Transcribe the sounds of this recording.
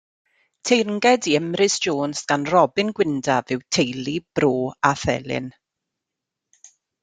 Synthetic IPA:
tʰejrnɡɛdiəmrɪsoːnsɡ̥anrɔbɪnɡwɪndavɨwtʰejlib̥roːaθɛ̰lˠɪ̰n

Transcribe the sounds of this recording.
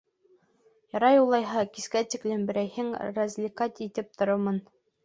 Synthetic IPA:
jɑɾɑjulˠɑjɦɑkiskæt̪iklɘmbɘ̆ɾæjhɘŋrɐzʲlʲikat̪it̪ɘp̚t̪ʰŏɾomɤn

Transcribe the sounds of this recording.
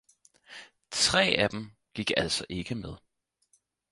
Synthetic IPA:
t͡sʰʁɛ̰ːæd̥em̩ | ɡ̥iɡ̥æl̰sɒ̽ʔe̝ɡ̥əmeð̞ˠ

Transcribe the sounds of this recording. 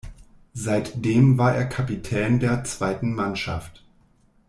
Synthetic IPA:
zaɪtd̥eːmvaːɐʔeːɐkʰapitʰɛːndeːɐt͡sv̥aɪtn̩manʃaft

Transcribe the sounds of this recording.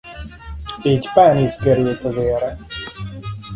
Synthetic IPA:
eːcpaːniskɛɾylt̪ɒzeːɾɛ

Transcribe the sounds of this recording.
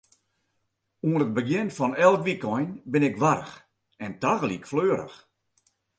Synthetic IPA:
uənət̚bəɡjɪnfɔnɛlˠkʋikɔjnbɪnɪkʋarəx | ɛntaɣəlˠikfløːɾə̰x

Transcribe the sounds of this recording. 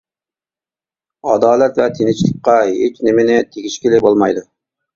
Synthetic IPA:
ɑd̪ɑːlɛt̪vɛt̪ʰenɪt͡ʃʰlˠɨk̚ʲqɑɦet͡ʃnɪmɪnɪt̪ʰekʲiʃkʲilɪbolˠmɑjd̪u

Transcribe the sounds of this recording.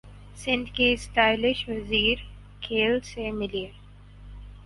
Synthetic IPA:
sɪ̃nd̪kesʈaːɪlɪʃʋɐziːɾ | kʰeːlsemɪlie

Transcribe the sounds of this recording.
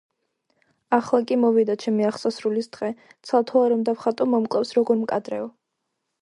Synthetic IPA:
aχlˠakʼimɔvid̪at͡ʃʰɛmiaχsasɾulisd̪̥ʁɛt̪sʰalˠt̪ʰɔaɾɔmd̪afχat̪ʼɔmɔmkʼlˠɛfsɾɔɡɔɾmkʼad̪ɾɛɔ

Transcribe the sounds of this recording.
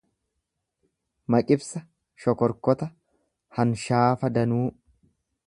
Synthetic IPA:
mɐkʼɪbsɐ | ʃɔkɔɾkɔt̪ɐ | hɐnʃaːfɐd̪ɐnuː

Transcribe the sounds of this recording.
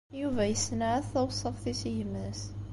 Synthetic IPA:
juvæjəsnæθæwsˤːɑfθisihəmːəs

